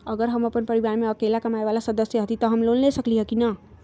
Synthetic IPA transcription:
ʌɡəɾɦəməpənpəɾiβaɾmeəkelakəmaebalasəd̪əsjʌɦət̪it̪ʌɦəmlonlesəkliɦʌkinʌ

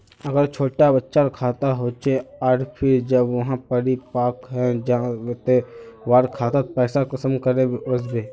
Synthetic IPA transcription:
əɡəɾt͡ʃʰoːʈabətːʃaɾkʰaːt̪aɦoːt͡ʃeɔːɾpʰɪɾd͡ʒəbʋɐɦãpəɽipaːkɦɛd͡ʒãt̪eʋaːɾkʰaːt̪at̪opɛːsakɐsəmkəɾẽbeʊsbeː

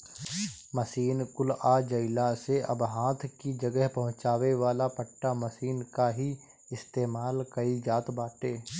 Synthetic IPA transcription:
mɐsiːnkʊlad͡ʒəɪlaseʔɐ̰bɦãːt̪ʰkid͡ʒɐɡəɦpɐɦʊ̃t͡ʃaːʋeʋaːlapəʈːamɐsiːnkaɦi | ɪst̪eːmaːlkɐid͡ʒaːt̪baːʈeː

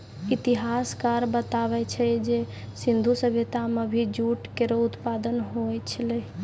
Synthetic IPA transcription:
it̪iɦaskaɾbət̪aβɛt͡ʃʰɛd͡ʒe | sind̪ʱusəbʱet̪amebʱid͡ʒuʈkeɾout̪pad̪ənɦojt͡ʃʰəlɛ

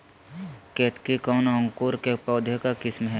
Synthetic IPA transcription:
keːt̪kikɔːnɔ̃ŋkuːɾkepɔːd̪ʱjekakɪsmɦɛ

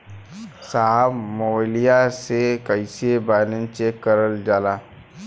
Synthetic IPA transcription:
saɦəbmolijasekəjsebanənt͡ʃekːəɾəld͡ʒala

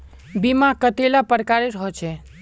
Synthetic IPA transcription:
bimakət̪elapəɾkaɾeɾəɦɔt͡ʃʰɛ

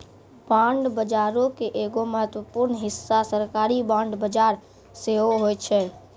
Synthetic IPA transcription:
bãːɳɖbəd͡ʒaːɾõkeʔeːɡoməɦət̪wəpuɾnɦɪsːasəɾkaːɾibãːɳɖbəd͡ʒaːɾ | seɦoɦoːɛt͡ʃʰɛː

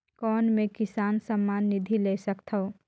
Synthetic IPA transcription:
kɔːnmẽkɪsaːnsəmːaːnːid̪ʱilesəkt̪ʰəo

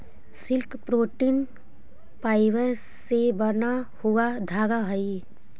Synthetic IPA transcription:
sɪlkpɾoːʈiːn | paːɪʋəɾ | sebɐɾnahuad̪ʱaːɡaɦəi

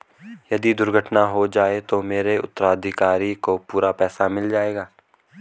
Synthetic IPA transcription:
jɐd̪id̪ʊɾɡʱəʈnaɦod͡ʒaːet̪omeːɾeʊ̰t̪ːəɾaːd̪ʱɪkaːɾikopuːɾapɛːsamɪld͡ʒaːeːɡaː

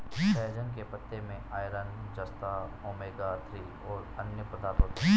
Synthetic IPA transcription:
ɛːd͡ʒənkepət̪ːemẽaːjɾənd͡ʒɐst̪aoːmeːɡat̪ʰɾiː | ɔːɾɐnjəpɾəd̪aːɾt̪ət̪i

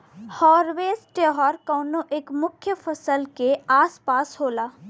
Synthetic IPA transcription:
hɔːɾʋeːsʈeːɦɔːɾkɔːnoʔeːkmʊkʰjəfʰəsəlkeaːspaːsɦoːlaː

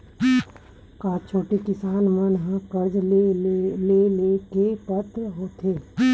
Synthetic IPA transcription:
kaːt͡ʃʰoːʈekɪsaːnmənɦãkəɾd͡ʒl | lelekepət̪ɾɦoːt̪ʰeː

